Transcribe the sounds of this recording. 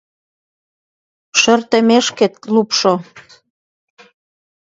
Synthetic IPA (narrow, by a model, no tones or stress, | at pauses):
ʃørt̪ə̆meʃket̪̚lupʃo